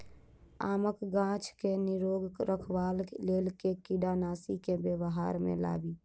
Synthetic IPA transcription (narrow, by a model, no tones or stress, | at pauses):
a̰ːməkɡãt͡ʃʰkeniɾoɡɾəkʰʋallelkekiɖanaːsikebebɦaɾmḛla̰ːbi